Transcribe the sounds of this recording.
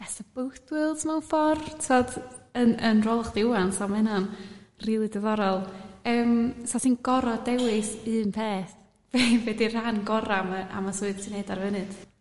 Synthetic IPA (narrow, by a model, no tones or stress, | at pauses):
ɛsəbʊwθwɨlˠdmawfɔrtʰodənənrɔlˠχd̥ɪuansamɛnɔnriːlˠidəðɔɾɔlˠəːmsɔtinɡɔɾɔdɛwɨsɨːnpʰeːθ | v̥evɛdir̥anɡɔɾamaʔa̰masuɨð̥sʰineːdarvənɨd̥